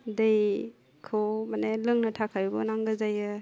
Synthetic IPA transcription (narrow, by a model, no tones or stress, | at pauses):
dej | kʰowmanelɯŋnɐtʰakʰajbɔ̰naŋɡɯzajɯ